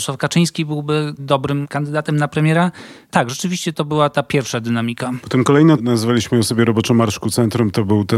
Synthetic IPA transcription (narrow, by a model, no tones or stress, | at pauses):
swafkat͡ʂɘj̃skʲibɘwbɘd̪ɔbɾɘmkand̪ɘd̪at̪ɛmnapɾɛmʲjɛɾat̪aɡʐɛt͡ʂɘvʲiɕt͡ɕɛt̪ɔbɘwat̪apʲjɛɾfʂad̪ɘnamʲikapɔ̥t̪ɛmkɔlɛjnɛnazvalʲiɕmɘjɔ̃sɔbʲjɛɾɔbɔt͡ʂɔmaɾʂkut̪sɛnt̪ɾumt̪ɔbɘwt̪ɛ